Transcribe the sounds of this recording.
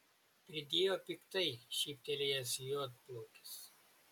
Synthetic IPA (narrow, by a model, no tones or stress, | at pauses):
pʲɾʲɪd̪ʲeːjoːpʲɪkt̪ɐɪʃʲiːp̚ʲt̪ʲɛlʲɪjɛsjoːt̪̚plˠoːkʲɪ̥s